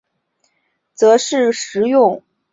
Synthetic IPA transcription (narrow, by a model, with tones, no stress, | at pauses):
t͡sɤ˧˥ʂɻ̩˥˩ʂɻ̩˧˥jʊ˥˩ŋ